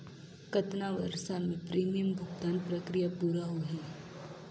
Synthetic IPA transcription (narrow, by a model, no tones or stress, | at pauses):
kət̪naʋəɾʃamẽpɾiːmijəmbʱʊɡt̪aːnpɾɐkɾijapʊɾaɦoɦɛː